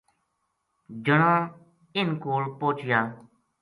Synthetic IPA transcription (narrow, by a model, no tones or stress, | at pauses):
d͡ʒəɽãː | ɪnkoːlpoːt͡ʃɪjaː